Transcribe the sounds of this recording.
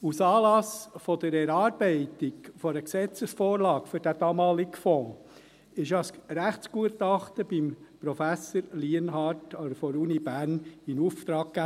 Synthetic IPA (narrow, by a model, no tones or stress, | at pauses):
usɑːlɑsfɔd̥̪əɾɛɾɑːɾb̥ɛɪtɪɡfɔɾəksɛt͡səsfoːɾlɑːkfʏɾd̥æd̥ɑːmɑːlikfɔ̃ː | ɪʃɑsɾæχtt͡sɡ̥uətɑχtəb̥impɾɔfæsəɾliənɦɑɾtod̪əfɔɾuːnibæɾnɪnuft̪ɾɑːkːæ